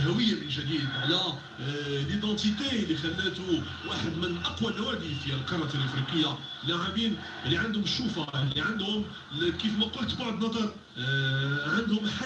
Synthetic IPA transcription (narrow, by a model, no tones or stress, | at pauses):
ɦæwəjːamənʒæd̪id̪ʕlæ | lid̪ɑ̃t̪it̪ælːixælːæt̪u | waħəd̪mənʔɑqwalːæwæd̪ifiælqɑɾˤːɑt̪lʔɑfɾiqəjːa | laʕabin | liʕand̪hʊməʃːufaliʕand̪hʊm | kifmæqʊlt̪bɑʕd̪nɑd̪ˤɑɾˤ | ʕənd̪hʊmħa